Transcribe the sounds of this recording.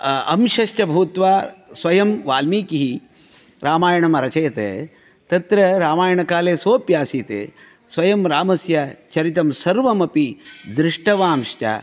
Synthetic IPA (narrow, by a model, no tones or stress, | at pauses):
ɐ̰mʃɐʃt͡ʃɐbʱɐut̪ʋaːsʋɐjɐmʋaːlmiːkiɦi | ɾaːmaːjɐɳɐmɐɾɐt͡ʃɐjɐt̪ḛː | t̪ɐt̪ɾɐɾaːmaːjɐɳɐkaːleːsoːpjaːsiːt̪ḛː | sʋɐjɐmɾaːmɐsjɐt͡ʃɐɾit̪ɐmsɐɾʋɐmɐpid̪ɾɪʂʈɐʋaːmʃt͡ʃa̰ː